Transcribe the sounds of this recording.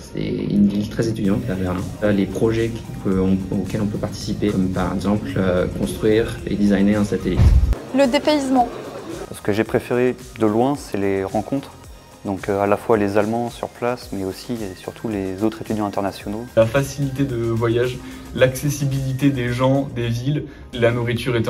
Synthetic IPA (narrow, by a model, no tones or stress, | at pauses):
sɛ̰y̰nvilt̪χɛzet̪yd̪jɑ̃t̪lavɛʁlɛ̰̃alepχɔʒɛkʲʰiøɔ̃okʲɛlɔ̃pøpaʁt̪i̥sipeɔmpaʁɛ̰ɡzɑ̃pløkɔ̃st̪χɥiːʁḛd̪izajneɛ̃sat̪elḭt̪ləd̪epeizmɑ̃sə̥kəʒepχefeʁe | d̪əlwɛ̃sɛleʁɑ̃kɔ̃t̪χ | d̪ɔ̃kalafwalezalmɑ̃sy̰ʁplasmɛosiesy̰ʁt̪ʰulezot̪χet̪yd̪jɑ̃ɛ̃t̪ɛʁnasjɔnolafasilit̪̬ed̪əvwajaʒ | laksesibilit̪ed̪eʒɑ̃d̪evil | lanuʁit̪yʁɛt̪